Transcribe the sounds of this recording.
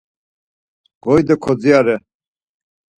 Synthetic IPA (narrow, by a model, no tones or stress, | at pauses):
ɡɔjd̪ɛkʰɔd͡ziaɾɛ